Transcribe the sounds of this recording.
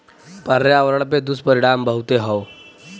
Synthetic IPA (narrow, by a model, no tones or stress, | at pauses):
pəɾjaʋɾəɽp̬ed̪uspəɾiɽ̃ambəɦut̪eɦɔw